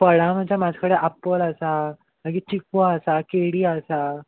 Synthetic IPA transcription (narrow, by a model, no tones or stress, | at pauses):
pəɽam̤əd͡ʑʱamad͡zʱkəɽeʔapələsa | məɡiːt͡ɕikʋaəsakeɽiːəsa